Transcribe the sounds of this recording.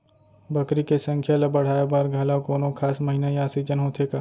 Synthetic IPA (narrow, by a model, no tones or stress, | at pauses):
bɐkɾikesɐ̃ŋkʰjalɐbɐɽ̤aːjebaːɾɡʱɐlakoːnõkʰaːsmɐɦinajaːsid͡ʒənɦoːt̪ʰeːɡaː